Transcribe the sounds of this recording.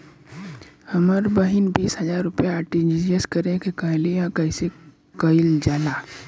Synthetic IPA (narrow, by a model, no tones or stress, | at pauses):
hɐməɾbəɦinbiːsɦɐzaːɾːʊpjaaːʈẽnd͡ʒid͡ʒeskəɾẽkekɐɦlejãkɐɪse | kɐɪld͡ʒaːlaː